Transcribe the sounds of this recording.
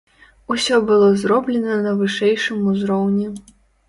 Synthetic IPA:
usʲɔbɨlˠɔzɾɔblʲɛnɐnɐvɨʂɛjʂɨmuzɾɔwnʲi

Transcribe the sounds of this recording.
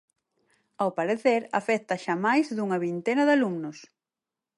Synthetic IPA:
awpaɾeθeɾa̰fɛt̪ɐʃamajzðuŋɐβint̪enɐðalumnʊs

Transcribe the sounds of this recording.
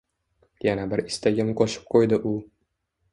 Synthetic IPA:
janabɪɾɪst̪aɡʲɪmqʰɒʃɪ̥p̚qʰojd̪ɪʔʊ

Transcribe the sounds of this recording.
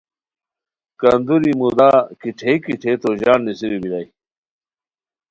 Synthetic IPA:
kɐnd̪uɾimud̪aːkiʈʰeikiʈʰet̪oʑaːnːisiɾibilɐj

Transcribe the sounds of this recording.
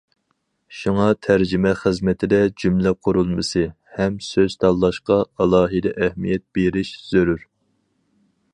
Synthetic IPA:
ʃuŋɑt̪ʰæɾd͡ʒimɛχəzmɪt̪ʰɪd̪ɛd͡ʒymlɛqʰʊɾulˠmɨsɨ | hɛmsøz̥t̪ʰɑlˠːɑʃqɑɑlˠɑːɦɨd̪ɛʔɛhmijɛt̪̚b̥eɾɪʃz̥øɾyɾ

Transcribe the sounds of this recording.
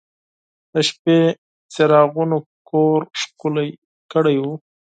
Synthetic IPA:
d̪̥əʃpe | t͡seɾɑɣunokoɾʂkulaj | kəɽajwu

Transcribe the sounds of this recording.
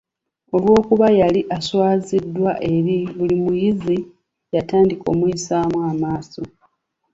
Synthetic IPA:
o̞lwo̞ːkuβajaliʔaswaːzidːwaʔe̞ɾiβulimujizi | jataːndiko̞̰muisaːmwamaːso̞

